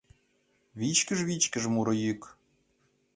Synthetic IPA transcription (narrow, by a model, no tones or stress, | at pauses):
βʲit͡ɕkʲɘ̆ʐβit͡ɕkʲɘ̆ʐmuɾɤ̆jykʲ